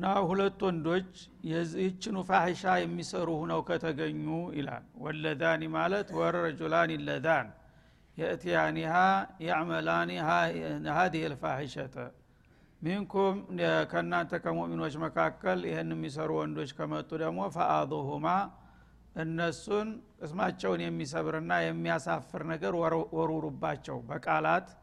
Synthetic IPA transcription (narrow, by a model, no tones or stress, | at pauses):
ʔɨɨnːahulət̪ːwɔnd̪o̞t͡ʃː | jɛzt͡ʃːɪnufaħiʃajɛmːisəɾuhunəwkʰət̪ʰəɡəɲːuʔɪ̰la̰lwɔlːəd̪animalət̪wɔɾɾɐd͡ʒulanilːəd̪an | jɛʔɨt̪ijanihajɛʕməlanihanhad̪ihelfaħiʃət̪ʰə̰ | miŋkʰomkʰəɨnːant̪ʰəkʰəmoʔmino̞t͡ʃːməkʰakːəljɪhɨnɛmːis̬əɾuwɔnd̪o̞t͡ʃːkʰəmət̪ʼːud̪əɡmo̞faʔad̪ˤuɦuma | ʔɨnːəsunkʼɨsmat͡ʃːɛwnjɛmːis̬əβɨɾɨnːajɛmːijasafːɨɾnəɡəɾwɔɾuɾubːat͡ʃːɛ̰wbəkʼalat̪